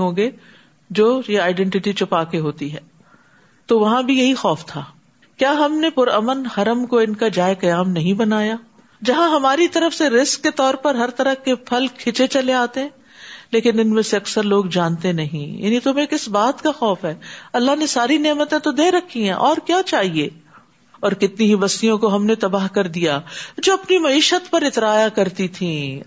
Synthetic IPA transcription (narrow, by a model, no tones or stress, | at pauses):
ɦõːɡeː | d͡ʒoːjeaːɪɖɛ̃ɳʈɪʈit͡ʃʊpaːkeɦoːt̪iɦɛː | t̪oʋɐɦãbʱijɐɦixɔːft̪ʰaː | kjaːɦɐmnepʊɾəmənhɐɾəmkoɪnkad͡ʒaːjkɐjaːmnɐɦĩbɐnaːjaː | d͡ʒɐɦãɦɐmaːɾit̪ɐɾəfseɾɪskːet̪ɔːɾpɐɾɦɐɾt̪ɐɾəkepʰɐlkʰɪt͡ʃet͡ʃɐleaːt̪eɦɛ̃ː | leːkɪnɪnmẽseɐksəɾloːɡd͡ʒaːnt̪ẽnɐɦḭ̃ja̰ːnit̪ʊmẽkɪsbaːt̪kaxɔːfɦɛːɐlːaɦnesaːɾineːmət̪ẽt̪od̪eːɾɐkʰːiɦɛ̃ʔɔːɾkjaːt͡ʃaːɦieː | ɔːɾkɪt̪niɦibɐst̪ijõkoɦɐmnet̪ɐbaːɦkɐɾd̪ijaːd͡ʒoːɐpnimɐiːʃət̪pɐɾɪt̪ɾaːjakɐɾt̪it̪ʰĩː